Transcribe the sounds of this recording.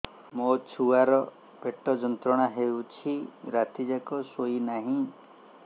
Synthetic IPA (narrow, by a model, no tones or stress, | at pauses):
mot͡ʃʰuaɾɔ | peʈɔd͡ʒɔnt̪ɾɔɽ̃aɦewt͡ʃʰiɾat̪ʰid͡ʒakɔsojnaɦĩ